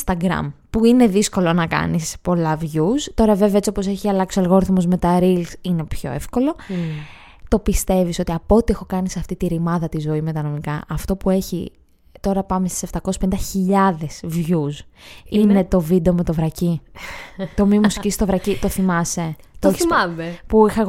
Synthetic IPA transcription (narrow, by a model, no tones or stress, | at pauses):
st̪ɐɡɾɐ̰mpuine̞ðisko̞lo̞nɐkɐ̰nispo̞lɐvʝust̪o̞ɾɐveveɐet͡siopose̞çiɐlɐksoelɣoɾθomo̞zme̞t̪ɐɾilsine̞pço̞̰e̞̰fko̞lo | t̪o̞pist̪e̞viso̞t̪iɐpo̞t̪iexo̞kɐniseɐft̪it̪iɾimɐðɐt̪izo̞ime̞t̪ɐnomikɐʔɐft̪o̞pue̞çḭ | t̪o̞ɾɐpɐmest̪i̥se̞ft̪ɐkosspenind̪ɐçiʎɐðe̞svʝusine̞t̪o̞vid̪eome̞t̪o̞vɾɐci | t̪o̞mimusicist̪o̞vɾɐcit̪o̞θimɐse̞ | t̪oɐmepuixɐ